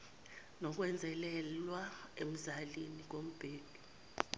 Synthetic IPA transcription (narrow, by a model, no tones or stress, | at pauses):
nɔk̬ʼwɛnd͡zʱɛlɛlwaem̩zalinik̬om̩b̥ʱeːd̥ʱu